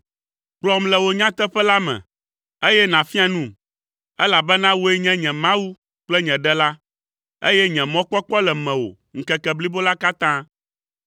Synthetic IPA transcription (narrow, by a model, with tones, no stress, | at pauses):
k͡plɔ˦mlɛ˨wo˦ɲã˦t̪ɛ˦ɸɛ˦la˦mɛ̰̃˨ | e˦jɛ˦nã˨fi˦a˨nũ˦ | ɛ˦la˨bɛ˦nã˦wo˦ɛ˦ɲɛ̃˦ɲɛ̃˨mã˦wu˦ | k͡plɛ˦ɲɛ̃˨ɖɛ˦la˦ | ḛ˦jɛ˦ɲɛ̃˨mɔ̃˦k͡pɔ˦k͡pɔ˦lɛ˨mɛ̃˨wo̰˨ | ŋ̩˨kɛ˨kɛ˨bli˦bo˦la˦ka˦t̪ã˦